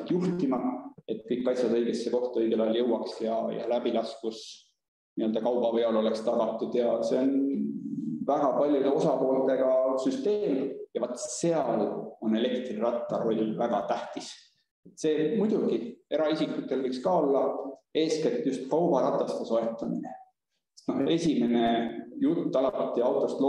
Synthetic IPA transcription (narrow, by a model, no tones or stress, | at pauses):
t̪juht̪imɑe̞t̪ˑkɤjkːɑjsjɑd̪ɤjɡ̥esːeko̞ht̪ɑɤjɡ̥e̞lɑjljɤwɑksjɑjɑ̰læbilɑskus | niøld̪ɑkɑwb̥ɑve̞olo̞le̞kst̪ɑɡ̥ɑt̪ːˑud̪̥jɑse̞on | væɡ̥ɑpɑlʲjud̪eo̞sɑpo̞ːlt̪e̞ɡ̥ɑsyst̪e̞ːmjɑvɑt̪ːse̞ɑlo̞ne̞le̞kt̪rirɑt̪ːˑɑro̞lʲːvæɡ̥ɑt̪æht̪is | et̪ːˑse̞ːmujd̪̥ʲuɡ̥ie̞ɾɑisikːˑut̪ːˑe̞lvɤkskɑːo̞lːɑe̞ːsket̪ːˑjust̪kɑwbɑɾɑt̪ːˑɑst̪esoe̞t̪ːˑɑminḛ | sest̪no̞he̞sʲime̞ne̞jut̪ːɑlɑt̪ːˑiɑwt̪ːˑo̞st̪lo